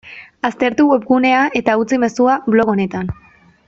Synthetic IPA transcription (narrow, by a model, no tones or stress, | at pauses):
ast̪e̞ɾt̪uwe̞p̚ɡune̞aʔe̞t̪aut͡sime̞suaβlo̞ɣo̞ne̞t̪an